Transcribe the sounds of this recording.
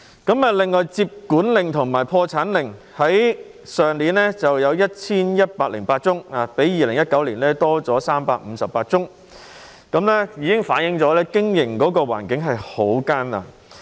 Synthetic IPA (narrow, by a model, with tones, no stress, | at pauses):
kɐ˨˥mɐː˨lɪ˨ŋːɔː˨jt͡siː˧p̚kuː˨˥nlɪ˨ŋt̪ʰʊ˨˩ŋmaː˨˩jpʰɔː˧t͡sʰaː˨˥nlɪ˨ŋ | hɐ˨˥jsœː˨˩ŋliː˨˥nlɛː˥t͡sɐ˨wjɐ˨˧wjɐ˥t̚t͡sʰiː˥njɐ˥t̚paː˧k̚lɪ˨˩ŋpaː˧t̚t͡sʊ˥ŋaː˨pe˨˥jːiː˨lɪ˨˩ŋjɐ˥t̚kɐ˨˥wliː˨˩nlɛː˥t̪ɔː˥t͡sɔː˨˥saː˥mpaː˧k̚m̩ː˨˧sɐ˨pːaː˧t̚t͡sʊ˥ŋ | kɐ˨˥mlɛ˥jiː˨˧kɪ˥ŋfaː˨˥njɪ˨˧˥ŋt͡sɔː˨˥lɛː˥kɪ˥ŋjɪ˨˩ŋkɔː˨˥kɔː˧wa̰ː˨˩nkɪ˨˥ŋɦɐ˨jho˨˥wkaː˥nla̰ː˧